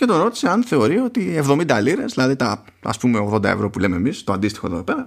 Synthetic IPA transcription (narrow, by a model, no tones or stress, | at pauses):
ce̞t̪o̞no̞t̪iseɐnθe̞o̞ɾio̞t̪ievðo̞mind̪ɐliɾe̞zðilɐðit̪ɐ | ɐ̰spume̞o̞ɣðod̪ɐ̰ḛvɾo̞pule̞meːmist̪oɐnd̪ist̪i̥xo̞ðoðopeɾɐ